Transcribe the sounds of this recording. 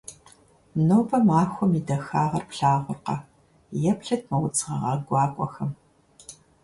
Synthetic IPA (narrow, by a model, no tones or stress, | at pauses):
noːpɐmaːxʷɔmidɐxaːʁɐrpɬaːʁʷʊrqɐ | jɛpɬɐt̚ʰmɐwʊt͡sʼʁɐʁɐɡʷɑːkʷʼɔxɐm